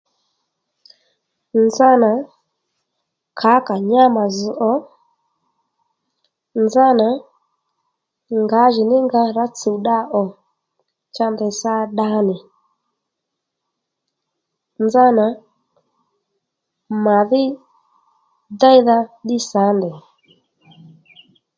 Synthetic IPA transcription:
nd͡za˦na˨ | kʰa˨˦ka˨ɲa˦ma˨zu˨ʔɔ˦ | nza˦na˨ | ŋɡa˨˦ʒi˨nɪ˦ŋɡa˧ɾa˦t͡su˨ɗa˦ʔɔ˨ | t͡ʃa˧ndɛ˨sa˦ɗa˦nɛ˨ | nza˦na˨ | ma˨ðɪ˦ | da˦i˦ða˦ɗi˦sa˨˦ndɛ˨

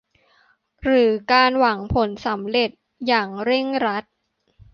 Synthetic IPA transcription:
ɾɯː˩˦kaː˧nwa˩˦ŋpʰo˩˦nsa˩˦mɾe˨˩t̪̚ | jaː˨˩ŋɾe˥˩ŋɾa˦˥t̪̚

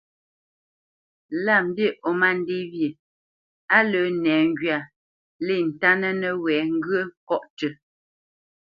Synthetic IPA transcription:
la˦˨m˦bjə˦˨ʔɔ˨ma˦˨n˦de˦βjə˨ | a˦lə˨˦nɛː˨˦ŋ˦ɡɥa˨ | le˦˨n̩˨ta˦nə˦nə˨wɛ˨˦ŋ̩˦ɡɰə˦kɔ˦ʔtə˨

